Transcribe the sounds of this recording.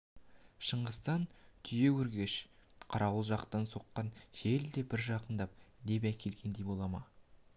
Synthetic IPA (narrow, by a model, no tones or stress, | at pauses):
ʃəɴʁəst̪ɑnt̪ʰʏje̞wɵɾɡʲe̞ʃqʰɑɾɑwəlˠʒɑqt̪ɑnso̞qːɑnʒ̥e̞ld̪e̞bɪɾʒɑqənd̪ɑp̚d̪e̞p̬ækʲʰe̞lɡʲe̞nd̪e̞jbo̞lˠɑmɑ